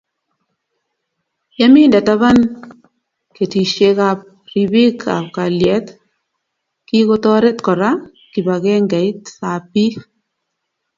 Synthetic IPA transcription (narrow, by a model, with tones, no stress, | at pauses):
ja˦mi˦ndɛ˨ta˦βa˦n | ke˨ti˨ʃe˦ka˨p̚ | ɾi˨bi˦kʰa̰˨pka˨ljɛ˦t̪ | ki˦ko˦tɔ˦ɾɛ˦t̪kɔ˨ɾa˦ | ki˨ba˨ɡɛ˦ŋɡɛ˨i˦tsa˨pi˦